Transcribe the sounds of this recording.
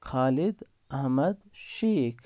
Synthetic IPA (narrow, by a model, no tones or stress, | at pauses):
xaːlɪd̪ | ɐɦmɐd̪ʃeːk